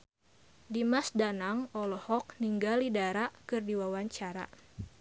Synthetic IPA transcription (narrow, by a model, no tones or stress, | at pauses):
dimasdanaŋɔlɔhɔk̚niŋɡalidaɾakɨrdiwawaɲt͡ʃaɾa̰